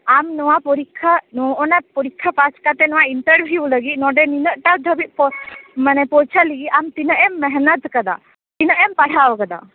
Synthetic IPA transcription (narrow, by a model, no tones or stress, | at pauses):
amnɔʋapɔɾikʰːanɔɔnapɔɾikʰːapaskat̪enɔwaiɳʈəɾbʱiuləɡinɔɖeninəʔʈad̪ʱəbiʔpɔmanepɔt͡ʃʰaliɡiamt̪inəʔemːɛɦnət̪kəd̪a̰ | t̪inəʔempɐɽ̤aʋəkəd̪a̰